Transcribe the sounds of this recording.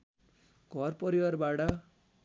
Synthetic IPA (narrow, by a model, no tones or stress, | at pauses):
ɡ̥ʱʌrpʌɾiwʌrbaʈʌ